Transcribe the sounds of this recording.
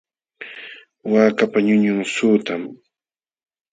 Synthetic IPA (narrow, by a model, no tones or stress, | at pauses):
waːkapaɲʊɲʊŋsʊːt̪am